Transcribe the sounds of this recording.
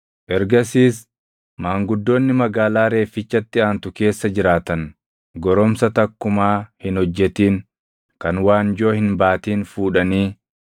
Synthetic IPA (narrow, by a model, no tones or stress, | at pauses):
ʔɛɾɡɐsiːs | maːŋɡʊd̪ːo̞ːnːɪmɐɡaːlaːɾe̞ːfɪt͡ʃːɐt̪ːɪaːnt̪ʊke̞ːsːɐd͡ʒɪɾaːt̪ɐn | ɡɔɾɔmsɐt̪ɐkːʊmaːhɪnhɔd͡ʒːɛt̪iːn | kɐnwaːnd͡ʒo̞ːhɪnbaːt̪iːnfuːᶑɐniː